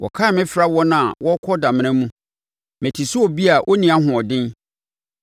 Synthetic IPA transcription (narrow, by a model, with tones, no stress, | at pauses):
wʔɔ̰˨kʰa˦˨mɪ̃˦fɾa˦wɔ˦nã˨a˨wɔ˦kʰɔ˦dã˨mɪ̃˨˦ɛ̃˦mũ˦ | mɛ̃˨tʰi˨su˦ɔ˨bi˦a˨ʔɔ˦nĩ˨a˦ɦʊ̃˨ɔ˨dɪ̃˦n